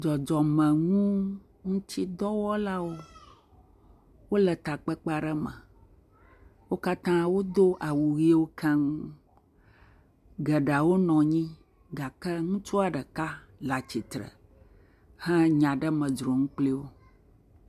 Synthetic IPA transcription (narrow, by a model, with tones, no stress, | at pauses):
d͡ʒɔ˨d͡ʒɔ˨mə̃˨ŋũ˦ | ŋũ˦t̪i˦d̪ɔ˦wɔ˦la˦wo˦ | wo˦lə˨t̪a˨k͡pə˦k͡pɛ˦a˨ɖə˦mə̰̃˨ | wo˦ka˦t̪ã˦wo˦d̪o˦ʔa˨wu˨ɣi˦wo˦kʰɛ˦ŋ˦ | ɡə˨ɖa˨wo˦nɔ̃˨ɲĩ˦ | ɡa˨kə˦ŋũ˦t͡ʃu˦a˨ɖə˨ka˦ | la˨t͡ɕi˨t̪ɾə̰˨ | hɛ̃˦ɲã˨ɖə˦mə̃˨d͡ʒɾo˨ŋũ˦k͡pli˦wo˦